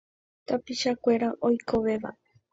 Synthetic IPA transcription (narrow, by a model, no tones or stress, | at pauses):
t̪apiʃakʷe̞ɾaʔojkʰo̞ʋe̞ʋa̰